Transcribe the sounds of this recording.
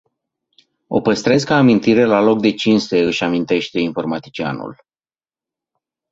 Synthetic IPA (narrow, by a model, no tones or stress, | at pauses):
o̞̰pəst̪ɾe̞skaːmint̪iɾe̞lalo̞k̚d̪e̞t͡ʃinst̪e̞ɨʃʲamint̪e̞ʃt̪e̞info̞rmat̪i̥t͡ʃia̰nṵl